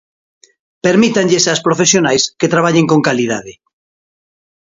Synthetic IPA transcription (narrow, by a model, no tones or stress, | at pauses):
peɾmit̪aɲʎesaspɾofesjonajsket̪ɾaβaʎeŋkoŋkalið̞aðe